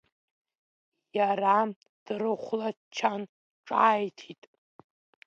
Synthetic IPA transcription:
jaɾa | d̥rɨχʷladt͡ʃʰan | ʈ͡ʂʼaːjtʰitʼ

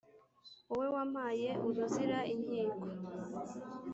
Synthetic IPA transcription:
uwe̞wam̥haːje̞ʔuɾuziɾaʔinhiːŋɡo

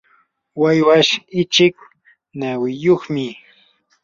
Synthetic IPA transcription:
wajwaʃɪt͡ʃɪk̚ | nawɪjoχmɪ

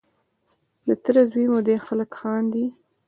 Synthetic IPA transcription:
lət̪əɾazwimod̪exaləkxɑnd̪i

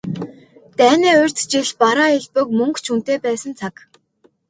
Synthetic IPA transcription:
t̪æːniːʊr̥ʲt͡st͡ɕiɮpaɾaːeɮpə̆k̚mɵŋkt͡ɕʰun̥t̪eːpæːsə̆nt͡sʰak

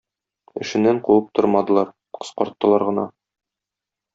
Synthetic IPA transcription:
ɘ̆ʃɘ̆nːæɴquwɤp̚t̪ʰoɾmɑd̪ɤ̆lˠɑɾ | qɤ̥̆sqɒɾt̪ːɤ̆lˠɑɾʁɤ̆nɑ

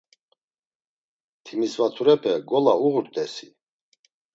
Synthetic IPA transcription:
t̪ʰimisvat̪ʰuɾɛpʰɛɡɔlauʁuɾt̪ʼɛsi

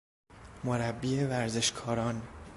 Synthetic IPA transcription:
moɾæbːiːevæɾze̞ʃkʰɒːɾɒːn

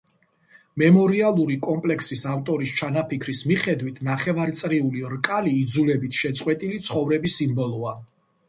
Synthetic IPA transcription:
mɛmɔɾialˠuɾikʼɔmpʼlɛkʰsisaft̪ʼɔɾist͡ʃʰanapikʰɾismiχɛd̪wit̪ʰnaχɛvaɾt̪sʼɾiuliɾkʼaliːd̪zulɛbit̪ʰʃɛt̪sʼqʼwɛt̪ʼilit̪sʰχɔvɾɛbisimbɔlˠɔa

